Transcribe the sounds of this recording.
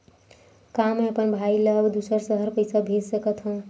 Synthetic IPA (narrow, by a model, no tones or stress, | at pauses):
kameəpənbʱailəbd̪usəɾsəɦəɾpəjsabʱed͡ʒsəkət̪ɦũ